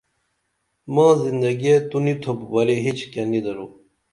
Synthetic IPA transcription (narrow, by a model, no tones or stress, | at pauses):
mãːzind̪ɐɡiet̪unit̪ʰopbɐɾiɦit͡ɕʰkenid̪ɐɾu